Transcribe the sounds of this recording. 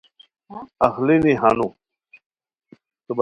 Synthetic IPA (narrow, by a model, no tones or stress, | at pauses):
ɐxliniɦanu | t̪ub